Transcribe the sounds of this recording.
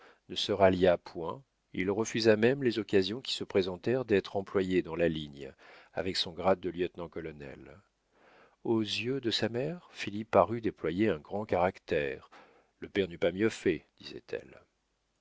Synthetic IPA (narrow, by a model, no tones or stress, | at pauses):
nəsəʁaljapwɛ̃ | ilʁəfyzamɛmlezɔkazjɔ̃kʲi̥səpχezɑ̃t̪ɛʁd̪ɛt̪χɑ̃plwajed̪ɑ̃laliɲa̰vɛksɔ̃ɡʁad̪̚ːəljœt̪nɑ̃kɔlɔnɛ̰l | ozjød̪əsamɛʁfilipːaʁyd̪eplwajeɛ̃ɡʁɑ̃kaʁakt̪ɛʁ | ləpɛʁnypamjøfɛd̪̥izɛ̰t̪ʰɛ̰l